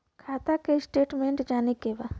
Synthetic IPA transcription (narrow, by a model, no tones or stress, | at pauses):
kʰaːt̪akesʈeːʈmẽɳʈd͡ʒaːnikeba